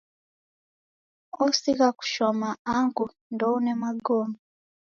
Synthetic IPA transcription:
osikaku̥ʃomaaŋɡu | ndounemaɡoːmo

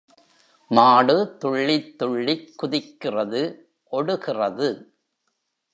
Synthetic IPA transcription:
maːɽɯt̪ːʊɭːɪt̪ːʊɭːɪkːʊðɪkːɪrɐðɯ | ʔɔɽɯɣɪrɐðɯ

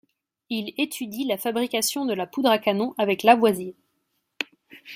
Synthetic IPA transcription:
ilet̪ʰyd̪ilafabʁikasjɔ̃d̪əlapud̪ʁakanɔ̃ʔavɛklavwazin

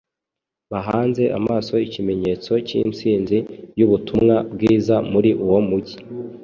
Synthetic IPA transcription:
βaɦaːnze̞ʔamaːso̞icime̞ɲe̞ːt͡so̞cḭːnsiːnzijuβutumŋabɡiːzamuɾiʔuwo̞muɟi

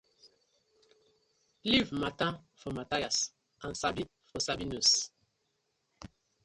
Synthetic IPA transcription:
livmatafɔmatajas | ʔãnsabi | fɔsabinus

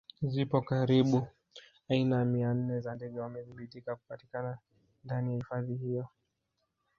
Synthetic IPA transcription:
zipɔkaɾiɓu | ainajamian̩nɛzandɛɠɛwamɛðiɓitikakupatikana | ndanijahifaðihijɔ

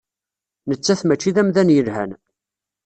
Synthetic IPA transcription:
nət͡sːæθmæt͡ʃːiðæmðænjəlhæ̰n

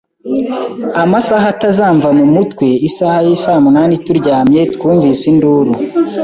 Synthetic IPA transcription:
amasaɦatazaːɱvamumutwe̞isahajisaːmunaːnituɾɟaːmɲe̞tkuːɱvisinduːɾu

